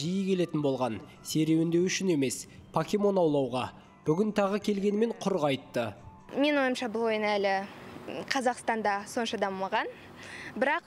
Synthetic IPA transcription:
ʒijəkʲʰe̞le̞t̪ɪnbo̞lˠʁɑn | se̞ɾe̞wɪnd̪e̞wʏʃɪne̞me̞spʰokʲemo̞nɑwlˠɑwʁɑ | b̥ʏɡʲɪnt̪ʰɑʁəkʲʰe̞lɡʲe̞nɪme̞ɴqʰʊɾʁɑjt̪ːə | me̞no̞j̪əmʃɑbʊlˠo̞jənælɪ | qʰɑzɑqst̪ɑnd̪ɑso̞nʃɑd̪ɑmmɑʁɑn | bɪɾɑq

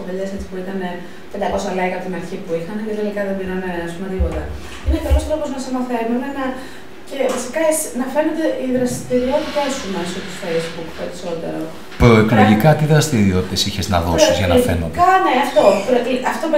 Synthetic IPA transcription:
oveleset͡si̥puit̪ɐne̞ | pe̞nd̪ɐko̞sɐlekɐpot̪inɐɾçipuixɐnit̪et̪elikɐðeb̪inɐneɐspume̞t̪ipo̞t̪ɐ | inekɐlo̞st̪ɾo̞poznɐsemɐθe̞numenɐ | ce̞vɐsi̥kɐesnɐfe̞ned̪eʔiðɾɐst̪iɾio̞t̪it̪ɐsumesot̪usfejzbukpe̞ɾiso̞t̪e̞̰ɾo̞ | pɾo̞ekloʝikɐt̪iðɾɐst̪iɾio̞t̪i̥t̪esiçeznɐ̰ðo̰ɾizʝɐnfḛno̰ɐne̞ɐft̪o̞pɾoʔiɐft̪op

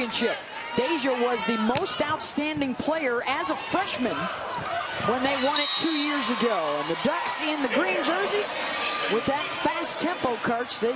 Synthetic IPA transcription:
ɨ̃nʃɪp̚ | d̥eɪʒəwʌzðɨmoʊstaʊtstæ̃ndɪ̃ŋpʰl̥eɪə˞ʔɨzəfɹɛʃmɨ̃n | wə̃nðeɪwɑ̃ɾ̃ɨd̚tʰʉjɪɹzɨɡoʊə̃nðɨdʌksɪ̃nðɨɡɹĩnd͡ʒɜ˞ziz | wɪðɨtfæstʰɛ̃mpoʊkʰɑɹtt͡ʃðeɪ

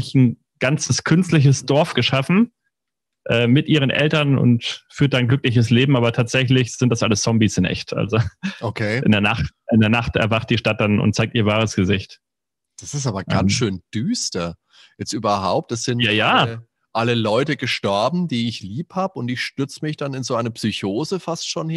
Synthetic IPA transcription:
ɪçn̩ | ɡ̥ant͡səskʰʏnstlɪç̬əsd̥ɔɐfɡ̥əʃafn̩ | ʔɛːmɪtʔiːʁ̞ənʔɛ̰ltɐnʊ̰ntfyːɐt̚d̥anɡlʏklɪçəs̬leːbm̩ʔaːbɐtʰaːtz̥ɛçlɪçz̥ɪntd̥asʔaləst͡sɔmbisɪnʔɛ̰çtʰʔa̰lzoʔokʰeːʔɪndeːɐnaχtʔɪndeːɐnaχtɛ̰ɐvaχt̚d̥iːʃtat̚d̥anʔʊ̰nt̚t͡saɪk̚tiːɐvaːʁ̞əsɡ̥əzɪçt | d̥asɪstaːbɐɡansʃøːnd̥yːstɐ | ɛstʔyːbɐhaʊp̚tɛsz̥ɪnjaːjaː | ʔaləlɔʏtəɡəʃtɔɐbm̩diːɪçliːphaːbəʊntɪçʃtʏɐt͡səmɪçd̥anɪnzoːʔaɪnɐpsyçoːzəfastʃoːn

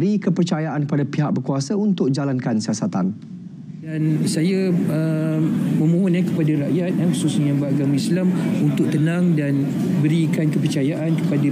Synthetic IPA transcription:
ɾikəpərt͡ʃajaʔankəpadapiɦak̚bərkuasaunt̪ʊk̚d͡ʒalankansiasat̪a̰n | dansajaə | mə̃mũɦʊnakəpadaɾaʔjat̪̚ɛxususɲãbaɡamislamunt̪ʊk̚t̪ənãŋdan | bəɾikankəpərt͡ʃajaʔankəpada

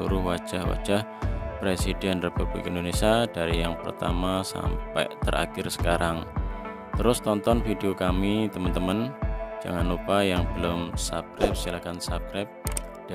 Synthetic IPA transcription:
uɾʊhwad̥ʒ̥ahwa̰d̥ʒ̥ah | pɾesid̥ɛnrepub̥lḭkaindonesiad̥aɾijaŋpə̰rt̪amasa̰mpɛ̰ʔt̪əɾa̰kɪrsə̥kaɾʔaŋ | t̪əɾʊst̪ɔnt̪ɔnfideokamit̪əmənt̪əmənd͡ʒ̥a̰ŋanlupajaŋb̥əlʊmsap̚kɾɛp̚sialakansap̚kɾɛp̚ | d̥a

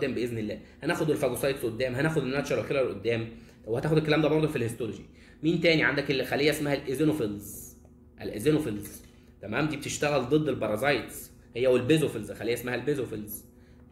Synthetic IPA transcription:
d̪ːæːmbeʔeznelːæːhænæːʔxod̪elfæɡ̪osˤɑjt̪sʔod̪ːæːmɦænæʔxod̪enːæt̪ʃɑɾˤɑlkelælʔod̪ːæːm | wehæt̪æːxod̪elkːælæːmd̪æːbɑɾˤd̪ˤolfilhest̪oloʒi | miːnt̪æːniʕand̪ækelxælːejːæʔesmæhælʔezenofelz | ʔælʔezenofelz | t̪æmæːmd̪iːbet̪eʃt̪æɣæld̪ˤed̪ˤːelbɑɾˤɑzɑjt̪s | hejːæwelbezofelzxælejːæʔesmæɦælbezofelz

